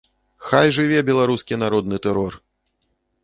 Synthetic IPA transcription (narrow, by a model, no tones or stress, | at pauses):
xajʐɨvʲɛbʲɛlˠaɾuskʲinaɾɔd̪nɨt̪ɛɾɔr